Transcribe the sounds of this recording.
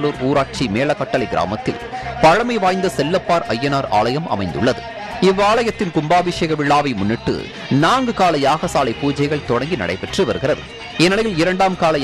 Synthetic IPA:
luːɾuːɾaːʈ̚t͡ʃimeːɭɐkːɐʈːɐlɐɪɡɪɾa̰ːmɐt̪ːɪ̰lpɐɻɐmɐɪʋaːjnd̪ɐsɛlːɐpːaːɾɐjːɐnaːɾa̰ːɭɐjɐmʔɐ̰mɐɪnd̪ɯ̰ɭːɐðɯ̰ | ɪʋaːɭɐjɐt̪ːɪnkʊmbaːbɪʂeɣɐʋɪɭːaːʋɐɪmʊnːɪʈːɯ̰ | naːŋɡɯkaːlɐjaːɣɐsaːlɐɪpuːd͡ʒɐɪɣɐɭt̪ɔɽɐŋɡinɐ̰ɽɐ̰ɪpɛʈrɯʋɐɾɯɣɪrɐðɯ̰ | ɛnːɐlɐjɪlɪɾɐɳɖaːmkaːlɐj

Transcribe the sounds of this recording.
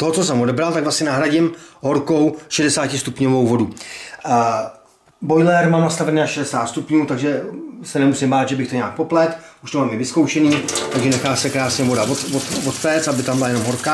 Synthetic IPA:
t̪oɦot͡so̞sɛmo̞dɛbɾalt̪aɡvlasɲɛnaɦɾaɟɪmɦo̞ɾko̞wʃɛdɛsaːcɪst̪upɲovo̞wvo̞du | bo̞jlɛɾmaːmnast̪avɛniːnaʃɛdɛsaːt̪st̪upɲuːt̪aɡʒɛsɛnɛmusɪmbaːd̪ʒɛbɪxt̪oɲɛaːk̚po̞plɛt̪uʃt̪ovɛlmɪvɪsko̞wʃɛniːt̪aɡʒɛnɛxaːsɛkɾaːsɲɛvo̞davot̪vot̪vot̪fɛːt͡sabɪt̪ambɪlajɛno̞mɦo̞ɾka

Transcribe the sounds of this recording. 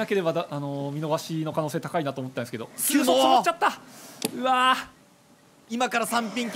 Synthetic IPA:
ake̞ɾe̞bad̪anomʲino̞ɡaɕino̞kano̞ːseːt̪akainat̪oːmot̪ːeansɨke̞do̰̥ɯːsoomot͡ɕːat̪ːaɯ̟βa | imakaɾasãmpʲĩŋkʲ

